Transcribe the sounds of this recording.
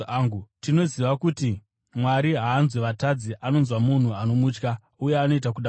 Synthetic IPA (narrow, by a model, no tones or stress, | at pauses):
ŋɡutino̞ziʋakuti | mwaɾiɦaːnzweʋatad͡ziʔano̞nzwamun̤uano̞mut͡ʃka | uje̞ano̞itak̬uɗa